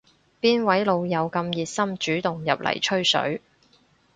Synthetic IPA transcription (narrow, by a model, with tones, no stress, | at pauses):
piː˥nwɐ˨˥jlo˨˧wjɐ˨˧wkɐ˧mjiː˨t̚sɐ˥mt͡ʃyː˨˥t̪ʊ˨ŋjɐ˨p̚lʔɐ̰˨˩jt͡ʃʰɵ˥ɥsɵ̰˨˥ɥ